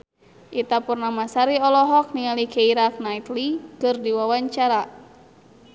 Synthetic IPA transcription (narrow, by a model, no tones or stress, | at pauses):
ʔit̪apurnamasaɾiɔlɔɦɔk̚nialikʰeiɾak̚nait̪likɨrdiwawaɲt͡ʃaɾa